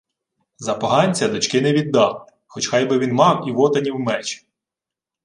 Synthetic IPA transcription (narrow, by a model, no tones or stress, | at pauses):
zɐpɐɦɑnʲt͡sʲɐd̪ɔt͡ʃkɪnɛʋʲid̪ːɑlˠɪ | xɔt͡ʃxɑjbɪʋʲinmɑwiʋɔt̪ɐnʲiwmɛt͡ʃɪ̥